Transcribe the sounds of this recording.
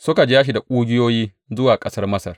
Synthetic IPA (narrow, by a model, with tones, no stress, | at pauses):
sʊ˦ka˨d͡ʒaː˦ʃ̬i˨da˨kʷʼuː˦ɡʲɪ˦joː˦jiː˦ | zʊ˦waː˨kʼɐ˦sɐ˦rmɐ˦sɐ˨r